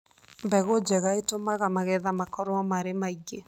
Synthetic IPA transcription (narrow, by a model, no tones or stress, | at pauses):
mbɛɣod͡ʒɛɣaetomaɣamaɣɛðamakɔɾoɔmaɾemaiɣe